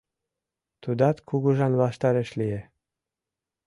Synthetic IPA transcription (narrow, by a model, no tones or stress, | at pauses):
t̪ud̪ɑt̪kʰuɣuʒɑnlɑʃt̪ɑɾeʃlije